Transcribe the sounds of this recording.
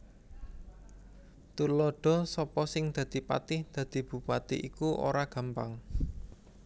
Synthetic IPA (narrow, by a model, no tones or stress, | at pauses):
t̪ulɔɖ̥ɔ̤sɔpɔsɪŋd̪̥ä̤d̪̥i̤pa̰t̪ɪhd̪̥ä̤d̪̥i̤b̥ṳpat̪ɪʔikuʔo̰ɾaɡ̥a̤mpa̰ŋ